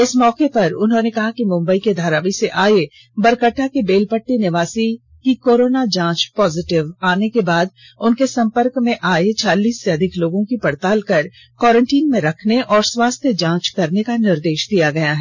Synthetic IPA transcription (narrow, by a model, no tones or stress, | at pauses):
ɪsmɔːkepɐɾʊnɦõnekɐɦakimʊ̃mbəiked̪ʱaːɾaːʋiseʔaːe | bɐɾkəʈːakebeːlpəʈːenɪʋaːsi | kikoːɾoːnad͡ʒãːt͡ʃpɔːzɪʈɪʋaːnekebaːd̪̚ | ʊnkesɐ̃mpəɾkmẽʔaːet͡ʃʰaːliːsːeɐd̪ʱɪkloːɡõkipɐɽt̪aːlkɐɾ | kɔːɾə̃ɳʈiːnmẽɾɐkʰneʔɔːɾswaːst̪ʰjəd͡ʒãːt͡ʃkɐɾnekanɪɾd̪eːʃd̪ijaɡɐjaɦɛ